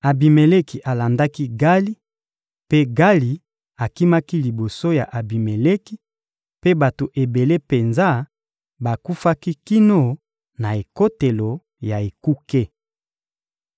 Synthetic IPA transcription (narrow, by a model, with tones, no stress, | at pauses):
a˨bi˨me˨le˦ki˨ʔa˨la˨nda˦ki˦ɡa˦li˦ | pe˦ɡa˦li˨ | a˨ki˦ma˦ki˦li˨bo˨so˦ja˨ʔa˨bi˨me˨le˦ki˦ | pe˦ba˨to˨ʔe˨be˨le˦pe˨nza˦ | ba˨ku˦fa˦ki˦ki˦no˦˨ | na˨e˨ko˦te˨lo˨ | ja˨e˨ku˦ke˦